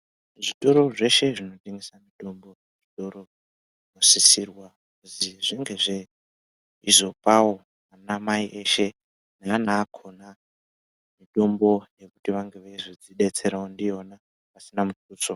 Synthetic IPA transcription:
ʐito̞ɾo̞ʐe̞ʃe̞ʐino̞teŋɡisamiɗo̞mbo | ʐito̞ɾo̞ | ʐino̞sisirwa | ziʐiŋɡe̞ʐe̞ | izo̞pawo̞ | manamaiʔeʃe̞ | naːnaːkʰo̞na | miɗo̞mbo̞je̞kutiʋaŋɡe̞ʋeʐid͡ziɗe̞t͡se̞ɾaondiona | pasinamutuːt͡so

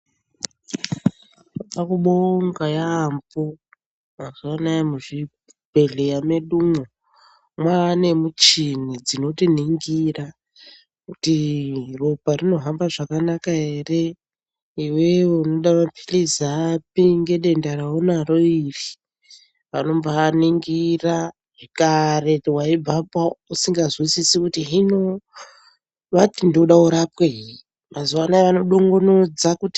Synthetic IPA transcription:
pakuɓoŋɡajaːmbo | akaanajamuʐi | bʱe̞ɮejame̞ɗumo | mwaːne̞mut͡ʃinid͡zino̞tin̤iŋɡira | kutiroparino̞ɦambaʐakanakaɦe̞ːre̞ | iwe̞uno̞ɗamapʰilizap̚iŋɡe̞ɗe̞ndaraonaro̞iri | ʋano̞mbaniŋɡira | ʐikare̞twaib͡vapwausiŋɡazwisisikutiɦino̞ | ʋatindoɗauɾapweɦi | mazuwanaeʋano̞ɗoŋɡonod͡zakuti̥

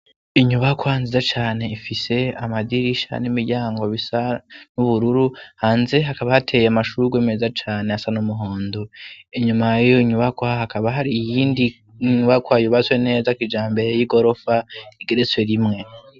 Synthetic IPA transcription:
iɲuβakwanzizat͡ʃaːne̞ifise̞amadiɾiʃa̰nimiɾɟaːŋɡoβisanuβuɾuɾuhaːnze̞ɦakaβahatʰe̞jeamaʃuɡwemezat͡ʃaːne̞asanumuɦoːndoiɲumajoiɲuβakwaahakaβaɦaɾijiːndi | ɲuβakwajuβat͡swe̞ne̞ːzakid͡ʒaːmbe̞ɾe̞jiɡo̞ɾo̞faiɡeɾet͡sweɾimŋe̞

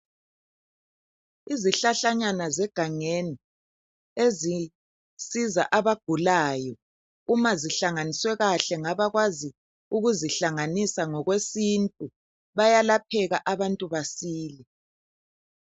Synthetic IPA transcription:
iziɬaɬaɲanazɛɡ̥ʱaŋeni | ezi | siza̰ʔaβaɡ̥ʱulaːjɔ | umaziɬaŋaniswɛɣaɬɛŋaβaɣwazi | uɣuziɬaŋanisaŋɔɣwesintʼu | βajalap̚ʰɛɣaʔaβantʼuβasiːlɛ

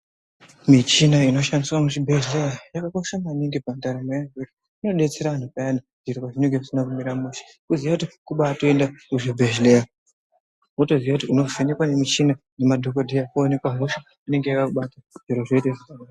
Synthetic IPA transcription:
mit͡ʃinaino̞ʃandiswanut͡ʃibʱeʒlejajakakoisamaniŋɡipantaɾamajaketi | ino̞ɗe̞t͡se̞ɾaan̤upaana | ʐiɾikaʐineŋɡeʐusinakumiɾamuʃi̥ | kuzijakutikuɓaːtoendauʐibʱeʒleja | oto̞ziʋakutiuno̞vene̞kwanemit͡ʃina | nemadʱokodʱejakaone̞kwaɦoʃa | ine̞ŋɡejakakuɓataʐ̥iɾoʐo̞iteʐizana

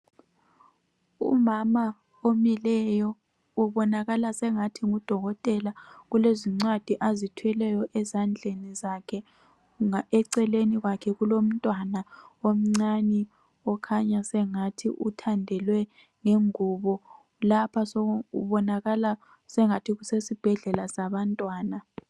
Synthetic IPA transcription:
ṵmama | omilɛjɔ | uβɔnaɣalasɛŋatʰiŋud̥ʱɔɣɔtʼɛlaɣuleziŋ͡ǀwad̥ʱiʔazitʰuɛlɛjɔʔɛzand͡ɮʱenizakʰɛ | aɛǀɛleniɣwakʰɛɣulom̩tʼwanaom̩ŋ͡ǀani | ɔkʰaɲasɛŋatʰiʔutʰandʱɛlwɛ | ŋeŋuβɔ | lapʰasɔɣuṵβɔnaɣala | sɛŋatʰiɣusesib̥ʱɛɮɛlasaβantʼwaːna

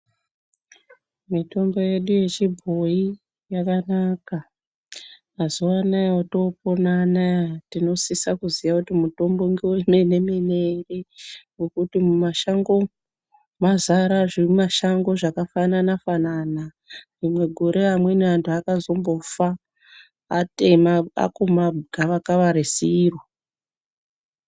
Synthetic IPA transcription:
mito̞mbo̞je̞ɗuje̞t͡ʃibʱoi | jakanaka | azowanajaoto̞ponanatino̞sisakuzijakutimuto̞mboŋɡiwemene̞meneriŋɡokutimumaʃaŋɡo̞ | mazaɾaʐimaʃaŋɡo̞ʐakafananafanana | rimwe̞ɡʱoɾeamwe̞neʋantʰuakazo̞mbo̞faː | temaa̰kumaɡʱaʋakaʋaɾesiro

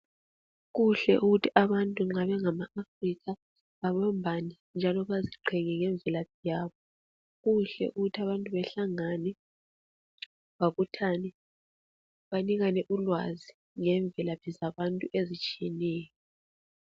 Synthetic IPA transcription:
ɣuɬɛ̰ʔuɣutʰiʔaβantʼuŋ͡ǁaβɛŋamaafriɣa | βaβambʱanɛ | nd͡ʒʱalɔβaziǃʰɛŋɛŋɛɱb̪vɛlaβijaːβɔ | ɣuɬɛ̰ʔuɣutʰiaβantʼuβɛɬaŋanɛ | βaβutʰanɛ | βaniɣanɛʔulwazi | ŋɛɱb̪vʱɛlapizaβantʼuʔezit͡ʃʼijɛnɛːjɔ

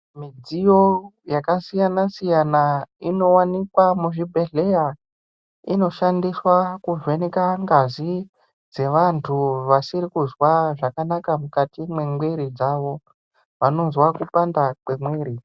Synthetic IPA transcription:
mid͡zijo̞jakasijanasijanaino̞wanikwamuʐibʱe̞ɮe̞ja | ino̞ʃandiswakuʐwenekaŋɡazi | d͡ze̞ʋantʰuʋasiɾikuzwaʐakanakamukatimwe̞mweɾid͡zaʋo̞ | ʋano̞nzwakupandak͡pe̞mweːɾi

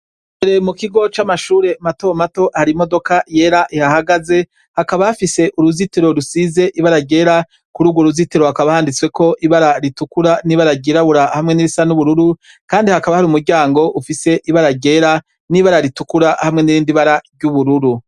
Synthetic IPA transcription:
eɾe̞mukiɡo̞t͡ʃamaʃuːɾe̞mato̞mato̞haɾimo̞do̞kaje̞ːɾaʔihahaɡaze̞ | hakaβahafise̞ʔuɾuzitiɾo̞ɾusize̞ʔiβaɾaɟe̞ːɾa | kuɾuɡuɾuzitiɾo̞hakaβahaːndit͡swe̞ko̞ʔiβaɾaɾitukuɾaniβaɾaɟeɾaβuɾahamŋe̞niɾisanuβuɾuɾu | kaːndihakaβahaɾuːmuɾɟaːŋɡo̞ʔufise̞ʔiβaɾaɟe̞ːɾa | niβaɾaɾitukuɾahamŋe̞niɾiːndiβaɾaɾɟuβuɾuɾu

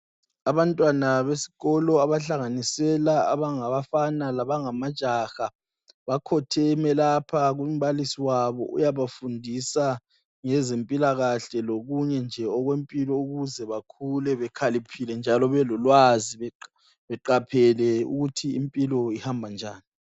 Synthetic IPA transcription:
aβantʼwanaβesi̥ɣɔlɔaβaɬaŋanisɛlaa̰βaŋaβafanalaβaŋamad̥ʒ̥ʼʱaxa | βakʰɔtʰɛmɛlapʰaɣum̩βalisiwaβɔ̰ʔṵjaβafundʱisa | ŋɛzempʼilaɣaɬɛloɣuɲɛnd͡ʒʱɛɔɣwempʼilɔuɣuzɛβakʰulɛβɛkʰalipʰilɛnd͡ʒʱalɔβɛlɔlwaziβɛ | βɛǃapʰɛlɛṵɣutʰiimpʼilɔihambʱand͡ʒʱa̰ːni

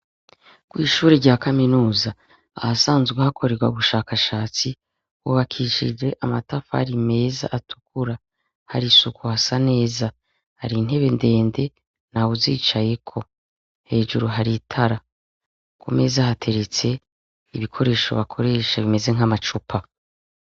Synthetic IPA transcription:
kwiːʃuːɾeɾɟaːkaminuːza | ahasaːnzɡwehakʰo̞ɾeɡwauβuʃaːkaʃaːt͡si | wuβakʰiʃḭd͡ʒe̞ʔamatafaha̰ɾime̞ːza̰ʔatʰu̥kʰuɾa | ha̰ɾisukʰuhasane̞ːza | haɾiːn̥he̞βe̞nde̞ːnde̞ | naβuziːt͡ʃaje̞kʰo̞ | he̞ːʒuɾuɦaɾitʰaɾa | ko̰me̞zahatʰe̞ɾet͡se̞ | iβikʰo̞ɾe̞ːʃo̞̰βakʰo̞ɾe̞ːʃaβime̞ze̞ŋ̥amat͡ʃupʰa

